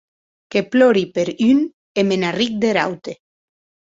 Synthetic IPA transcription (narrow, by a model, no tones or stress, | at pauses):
keplɔɾipeɾyn | emenarik̚d̪eɾa̰wt̪e